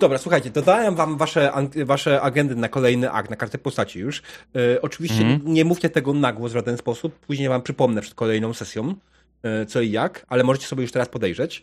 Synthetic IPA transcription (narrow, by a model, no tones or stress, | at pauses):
d̪ɔbɾaswuxajt͡ɕɛd̪ɔd̪awɛmvamvaʂɛaŋvaʂɛʔaɡɛnd̪ɘnakɔlɛjnɘʔa̰k̚t̪nakaʐd̪ɛjpɔst̪at͡ɕijuʂɔt͡ʂɘvʲiɕt͡ɕɛɲɛmuft͡ɕɛt̪ɛɡɔnaɡwɔzvʐad̪ɛnspɔsupːuʑɲejvampʂɘpɔmnɛpʂɛt̪̚kɔlɛjnɔ̃w̃sɛsʲjɔ̃w̃ | t̪sɔijakalɛmɔʐɛt͡ɕɛsɔbjejuʂt̪ɛɾaspɔd̪ɛjʐɛt͡ɕ